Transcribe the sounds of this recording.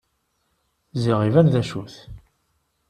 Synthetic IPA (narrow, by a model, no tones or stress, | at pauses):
ziʁivænðæʃuθ